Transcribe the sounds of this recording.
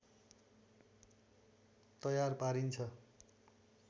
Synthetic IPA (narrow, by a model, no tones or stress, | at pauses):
t̪ʌjarpaɾint͡sʰʌ